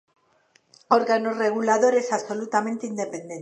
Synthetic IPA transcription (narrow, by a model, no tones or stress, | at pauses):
o̞ɾɣanore̞ɣ̞ulaðo̞ɾe̞saβso̞lut̪amẽnt̪eind̪e̞pe̞nd̪en